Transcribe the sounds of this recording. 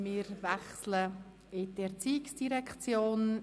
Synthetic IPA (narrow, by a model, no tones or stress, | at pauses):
mɪɾvɛχslə | ɪtɛʁt͡siːɪksd̥iɾɛkʰt͡sjoːn